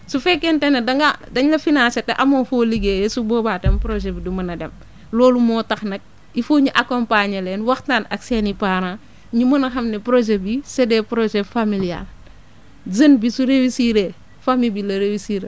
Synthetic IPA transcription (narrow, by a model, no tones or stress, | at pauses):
sufɛkːentenedɐŋɡadɐɲlɐfinaːsetɛʔɐmoːfoliɡeːjesuboːbatempɾoʒebidumɐnɐdem | loːlumɔːtɐxnɐk̚ | ifoːɲuʔakompaɲɐlenwɐxtanɐ̰ksenipaɾa | ɲumɐnɐxɐmnepɾoʒebisedɛpɾoʒefamilia̰l | zɐnbisuɾewisiːɾe | famibilɐɾewisiːɾ